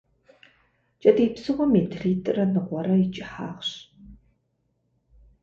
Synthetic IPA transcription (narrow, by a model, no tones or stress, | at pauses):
t͡ʃʼɐdiːpsɨʁʷɔmeːtʰriːtʼɨrɐnɨʁʷɔɾɐɪt͡ʃʼɪħa̰ːʁɕ